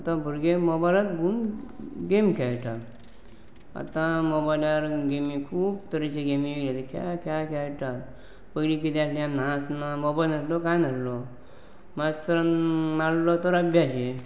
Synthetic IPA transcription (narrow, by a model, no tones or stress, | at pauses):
at̪ãbʱuɾɡemɔbalat̪bunɡemkʰɛɭʈa | a̰t̪ãmobajlaɾɡemĩkʰuːbt̪əɾet͡ɕeɡemĩʋeɡlet̪əkʰa̰kʰjakʰɛjʈa | pəɡlik̬it̪ẽasliamnasnamobajlnəslɔkãjnaɾlɔ | məst̪əɾənmaɽlɔt̪əɾəbʱjaɕe